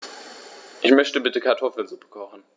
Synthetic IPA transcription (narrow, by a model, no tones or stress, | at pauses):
ʔɪçmœçtəbɪtəkʰaɐtʰɔfl̩zupə̥kʰɔχn̩